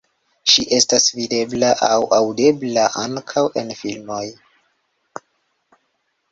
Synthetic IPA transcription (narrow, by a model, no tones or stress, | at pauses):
ʃiʔe̞stasvide̞blaʔawʔawde̞blaʔaŋkʰawe̞nfilmo̞j